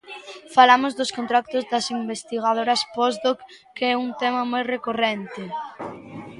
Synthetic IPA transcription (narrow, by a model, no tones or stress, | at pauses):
falamozðʊskõnt̪ɾak̚t̪ozðɐsimbest̪iɣ̞að̞oɾɐspɔzd̪okkːeɛuŋt̪ɛmɐmojrekorɛnt̪ɪ